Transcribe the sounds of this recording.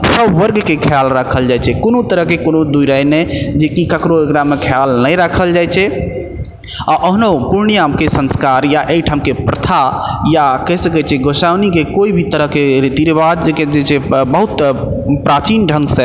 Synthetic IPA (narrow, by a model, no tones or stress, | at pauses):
səbːəɾɡkekʰjalɾakʰəld͡ʒajt͡ʃʰɛkonot̪əɾəɦkekonod̪uiɾajnɛd͡ʒekikəkɾoekɾamekʰəjalnəjɾakʰəld͡ʒajt͡ʃʰɛ | aʔəɦnopuɾnijamkesə̃nskaɾjaʔejʈʰamkepɾət̪ʰajakəɦsəkɛt͡ʃʰɛɡosawnikekoibʱit̪əɾəɦkeɾit̪iɾebad̪ked͡ʒet͡ʃʰebəɦut̪pɾat͡ʃinɖʱə̃ŋɡsɛ